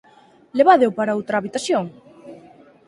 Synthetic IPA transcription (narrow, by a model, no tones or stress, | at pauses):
leβaðewpaɾaowt̪ɾaːβit̪asjoŋ